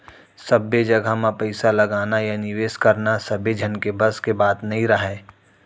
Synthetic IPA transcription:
sɐbed͡ʒɐɡʱamãpɐɪsalɐɡaːnajanɪʋeːskɐɾnasɐbed͡ʒʱɐnkebɐskebaːt̪nɐɦĩɾəɦɛː

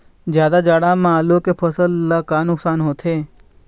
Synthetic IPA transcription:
d͡ʒjaːd̪ad͡ʒaːɽamãːlokepʰəsəlːakaːnʊksaːnɦoːt̪ʰeː

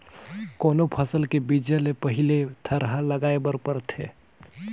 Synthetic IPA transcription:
konopʰəsəlkebid͡ʒəlepəɦilet̪ʰəɾɦaləɡaebəɾpəɾt̪ʰḛ

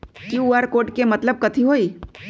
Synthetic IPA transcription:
kiuaɾkoːʈkemət̪ləb̚kət̪ʰiɦoːi

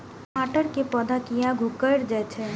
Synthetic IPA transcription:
maʈəɾkepəd̪ʱakijaɡʱukəjɾd͡ʒat͡ʃʰe

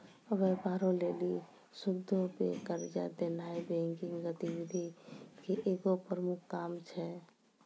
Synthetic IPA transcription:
əʋɛpaɾõleli | subd̪ʱopḛkəɾd͡ʒa̰d̪enaibẽŋkiŋɡət̪ibid̪ʱikeʔeɡopɾəmukʰːaːmt͡ʃʰɛ

